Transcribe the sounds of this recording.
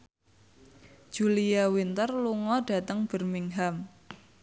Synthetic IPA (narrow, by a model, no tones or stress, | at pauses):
ʒ̥ulijawint̪ərluŋɔd̥ä̤t̪əŋb̥ə̤rmiŋɦam